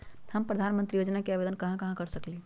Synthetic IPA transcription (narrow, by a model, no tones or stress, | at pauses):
həmpɾəd̪ʱanmənt̪ɾijod͡ʒnakeabed̪ənkəɦãkəɦãkəɾsəkli